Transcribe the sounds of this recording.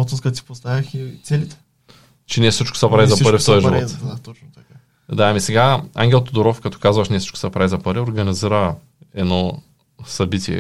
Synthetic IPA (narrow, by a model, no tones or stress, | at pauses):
ot̪uskəsʲi̥post̪avʲɐxit̪sɛlit̪ɛ̥ | t͡ʃɛnɛsit͡ʃkʊ̥sɐpɾavʲizɐpɐɾifft̪ɔjiʒivɔ̰t̪at̪ɔt͡ʃnot̪ɐka | d̪aɐmisɛɡaaŋɡʲɛlˠt̪od̪oɾɔfkɐt̪ɔ̥kazvɐʃnɛsi̥t͡ʃkʊ̥sɐpɾavizɐpɐɾioɾɡɐniziɾə | ɛd̪nɔ | sɐbit̪iɛ̰